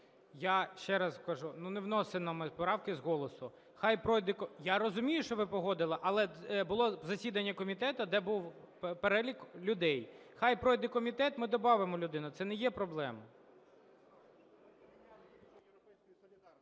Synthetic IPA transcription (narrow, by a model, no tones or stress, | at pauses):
jaʃt͡ʃɛɾɐskɐʒununewnɔsenɔmɪpɔɾɑwkɪzɦɔlˠɔsʊ | xɑjpɾɔjd̪ɪkɔjaɾɔzʊmʲijʊʃt͡ʃɔʋɪpɔɦɔd̪ɪlˠɪʔɐlˠɛbʊlˠɔzɐsʲid̪ɐnʲːɐkɔmʲit̪ɛt̪ɐd̪ɛbuw | peɾɛlʲiklʲʊd̪ɛjxɑjpɾɔjd̪ɪkɔmʲit̪ɛt̪mɪd̪ɔbɑʋemɔlʲʊd̪ɪnʊt̪sɛnɛjɛpɾɔblˠɛmɐ